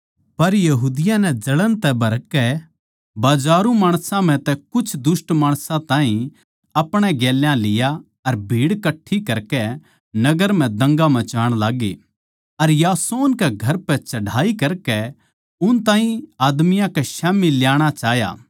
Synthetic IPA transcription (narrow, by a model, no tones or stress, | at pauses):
pɐɾjɐɦuːd̪ɪjãnɛd͡ʒɐlənt̪ɛbʱɐɾkːɛ | baːd͡ʒaːɾũmaːɽ̃sãm̤ɛ̃t̪ɛkʊt͡ʃʰd̪ʊsʈmaːɽ̃sãt̪ãːɦĩ | ɐpɽ̃ɛɡɛːljãlɪja | ɐɾbʱiːɽkɐʈʰːikɐɾkɛ | nɐɡəɾm̤ɛ̃d̪ɐ̃ŋɡãmɛ̃t͡ʃaːɽ̃laːɡḛ | ɐɾjaːsoːnkɛɡʱɐɾpɛt͡ʃɐɖaːikɐɾkɛ | ʊnt̪ãːɦĩaːd̪mɪjãkɛʃɛːmilɪjaːɽ̃at͡ʃaːɦja̰ː